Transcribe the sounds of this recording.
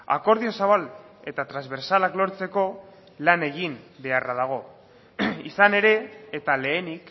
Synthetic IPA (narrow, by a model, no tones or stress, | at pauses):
a̰ko̞ɾðio̞saβ̞al | e̞t̪at̪ɾazβe̞ɾsalaklo̞ɾt͡se̞ko̞ | lane̞ɣimbe̞araðaɣ̞o̞ | isane̞ɾe̞ːt̪ale̞ːnik